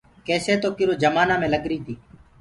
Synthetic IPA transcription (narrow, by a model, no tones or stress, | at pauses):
keːseːt̪oːkɪɾoːd͡ʒəmaːnãːmẽːləɠɾiːt̪ʰiː